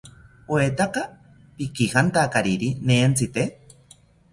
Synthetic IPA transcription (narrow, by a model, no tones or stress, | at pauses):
oet̪aka | pikihant̪akaɾiɾineːnt͡sɨt̪e